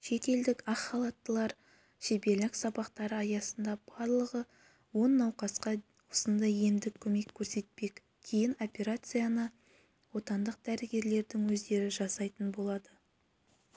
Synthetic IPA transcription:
ʃe̞t̪e̞ld̪ɪkɑqχɑlˠɑt̪ːəlˠɑɾ | ʃe̞be̞lɪksɑbɑqt̪ɑɾəɑjɑsənd̪ɑb̥ɑɾlˠəʁə | wo̞nːɑwqɑsqɑ | wosənd̪ɑje̞md̪ɪkʲʰːɵme̞kʲʰːɵɾse̞t̪̚pe̞kʲ | kʲʰejɪno̞pʲe̞ɾat̪sɨjanə | wo̞t̪ɑnd̪əq̚d̪æɾɪɡʲe̞ɾle̞ɾd̪ɪŋwɵzd̪e̞ɾɪʒɑsɑjt̪ənbo̞lˠɑd̪ə

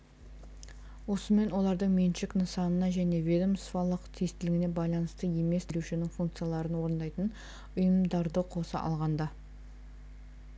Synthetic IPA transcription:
wo̞səme̞nwo̞lˠɑɾd̪əɴmenʃɪknəsɑnənɑʒæne̞vʲed̪omsfɑlˠəqt̪ʰest̪ɪlɪɡʲɪne̞bɑjlˠɑnəst̪əje̞me̞sd̪ʰluʃɪnɪŋfuŋk̚t̪sɨjalˠɑɾənwo̞ɾənd̪ɑjt̪ən | ʊjəmd̪ɑɾd̪əqʰo̞səʔɑ̰lˠʁɑnd̪ɑ

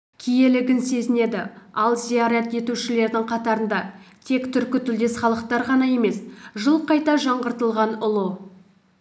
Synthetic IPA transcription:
kʲʰije̞lɪɡʲɪnse̞zɪne̞d̪ɪɑlˠzijaɾet̪e̞t̪uʃɪle̞ɾd̪ɪŋqʰɑt̪ɑɾənd̪ɑt̪ʰe̞kt̪ʰʏɾkʲɪt̪ʰʏld̪e̞sχɑlˠəqt̪ɑɾʁɑnɑje̞me̞sʒəlˠqɑjt̪ɑʒɑɴʁəɾt̪əlˠʁɑnʊlˠə

